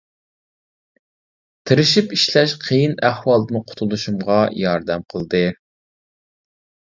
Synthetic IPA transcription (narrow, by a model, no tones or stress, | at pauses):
t̪ʰɨɾɪʃipiʃlɛʃqʰejinæhwɑlˠd̪ɨmɨqʰʊ̥t̪ʰulˠuʃumʁɑjɑɾd̪ɛmqʰəlˠd̪ɨ